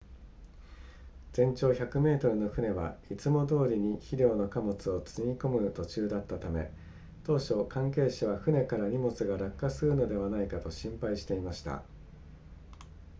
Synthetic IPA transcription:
d͡z̥ẽ̞ɲ̟t͡ɕo̞ːçakɯ̟me̞ːt̪o̞ɾɯ̟no̞ɸɯ̟ne̞βa̰it͡sɨmo̞d̪o̞ːɾʲiɲ̟içiɾʲjo̞ːno̞kamo̞t͡sɨo̞t͡sɨɲʲiko̞mɯ̟t̪o̞t͡ɕɨːd̪at̪ːat̪ame̞̰ | t̪o̞ːɕo̞kãŋke̞ːɕiβ̞aɸɯ̟ne̞kaɾaɲ̟imo̞t͡sɨɡaɾakːasɨɾɯ̟no̞d̪e̞βanaikat̪o̞ɕĩmpaiɕi̥t̪e̞imaɕi̥t̪a̰

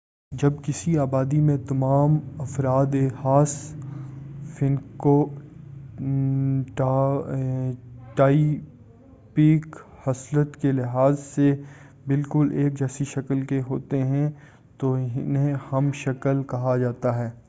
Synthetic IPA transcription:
d͡ʒɐbkɪsiaːbaːd̪imẽt̪ɐmaːmɐfɾaːd̪ehaːs | fɪnko | ʈː | ʈaːi | piːk | hɐslət̪kelɪɦaːzse | bɪlkʊleːk̚d͡ʒɛːsiʃɐkəlkeɦoːt̪eɦɛ̃ | t̪oɪnɦẽhɐmʃɐkəlkɐɦad͡ʒaːt̪aɦɛː

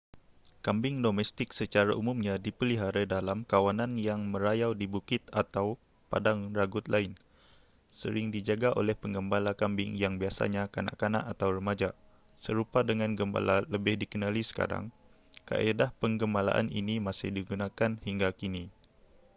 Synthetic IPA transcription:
kambɪŋdomɛst̪ɪksət͡ʃaɾaʔumumɲadipəliɦaɾədalamkawananjaŋməɾajawdibukɪt̪at̪aw | pa̰daŋraɡʊt̪̚lʔaɪn | sə̰ɾɪŋdid͡ʒaɡaʔo̰lɛhpəŋɡəmbalakambɪŋjaŋbiasa̰ɲakana̰ʔkana̰ʔat̪awrəmad͡ʒa | səɾupadəŋanɡəmba̰laləbɪhdikənalisə̥ka̰ɾa̰ŋ | ka̰ʔedahpəŋɡəmala̰ʔa̰nḭnimasɪ̰hdiɡunakanhiŋɡakini

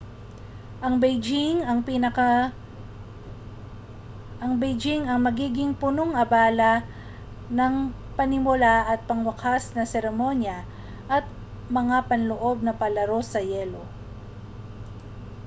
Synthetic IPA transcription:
ʔɐŋbɛjd͡ʒɪŋɐŋpinɐk | ʔɐŋbɛjd͡ʒɪŋɐŋmɐɡiːɡɪŋpʊnoŋʔɐbaːlɐ | nɐŋ | pɐnɪmʊlaʔɐt̪̚pɐŋwɐkʰasnɐsɛɾɛmo̞njɐ | ʔɐt̪̚ | mɐŋapɐnloʔo̞b̚nɐpɐlɐɾo̞sɐjɛlo̞

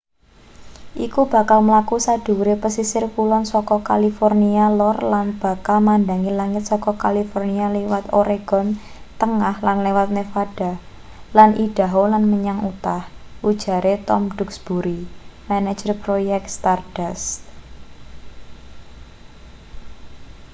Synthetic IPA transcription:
ʔikub̥ä̤kalməlakusad̥ṳɾepəsisɪrkulɔnsɔkɔkalifɔrnialɔrlanb̥a̤kalmand̪a̤ŋilaŋɪt̪̚sɔkɔkalifɔrnialewat̪oɾeɡ̥ɔ̤n | t̪əŋahlanlewat̪̚nefaɖ̥a̤ | lanʔiɖ̥a̤ɦolanməɲaŋut̪ahʔud̥ʒ̥a̤ɾʔet̪ɔmɖ̥ʊ̤ksb̥uɾimanḁd͡ʒərpɾojɛk̚t̪st̪ard̥as

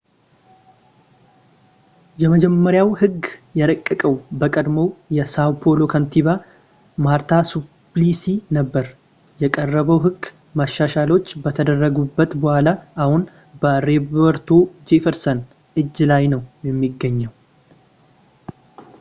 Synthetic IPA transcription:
jɛməd͡ʒɛmːəɾjawhɨɡːjɛɾəkʼːəkʼəwbəkʼəd̪mo̞jɛsawpʰolo̞kʰənt̪ʰiβa | maɾt̪ʰasuplisinəbːəɾ | jɛkʼərːəβəwɦɨɡː | maʃːaʃalo̞t͡ʃːbət̪ʰəd̪ərːəɡubːət̪bəhʷalaʔahun | bəɾebəɾt̪ʰod͡ʒefɛɾsən | ʔɨd͡ʒːlajnəwjɛmːiɡːəɲːɛw

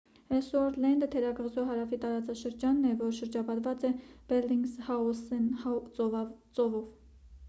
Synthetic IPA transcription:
ɛsɔɾlɛnd̪ət̪ʰɛɾɑɡəʁzɔɦɑɾɑfit̪ɑɾɑt͡sɑʃəɾd͡ʒɑnːɛvɔɾʃəɾd͡ʒɑpɑɾvɑt͡sɛb̥ɛɾliŋɡzhɑɔsɛnht͡sɔvɑt͡sɔvɔv

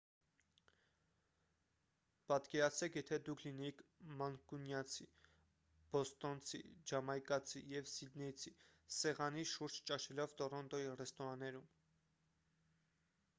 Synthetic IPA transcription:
pɑt̪kɛɾɑt͡sʰɛkʰjɛt̪ʰɛd̪ukʰlinɛjikʰmɑŋkunjɑt͡sʰi | b̥ɔst̪ɔnt͡sʰḭd͡ʒɑmɑjkɑt͡sʰijɛvsid̪nɛjt͡sʰisɛʁɑniʃuɾd͡ʒt͡ʃɑʃʰɛlɔvt̪ɔrɔnt̪ɔirɛst̪ɔɾɑnːɛɾum

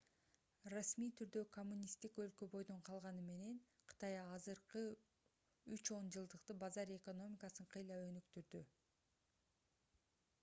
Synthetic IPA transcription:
rasmijt̪ʰyɾd̪ø̞kʰomːunʲist̪ikø̞lkø̞bo̞jd̪o̞ɴqʰɑlˠʁɑnɯme̞ne̞nqʰɯ̥t̪ɑjɑzɯɾqɯ | yt͡ʃo̞nd͡ʒɯlˠd̪ɯqt̪ɯbɑzɑɾe̞ko̞no̞mʲikɑsɯɴqʰɯjlˠɑø̞nykt̪yɾd̪y

